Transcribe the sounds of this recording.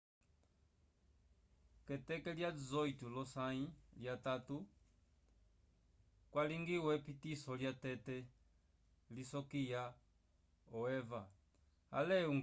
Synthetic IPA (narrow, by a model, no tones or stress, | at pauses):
kɛtɛkɛljaduzɔitulɔsailjatatu | kwaliŋɡiwɛpitisɔljatɛtɛ | lisɔkija | ɔɛva | a̰lɛuŋ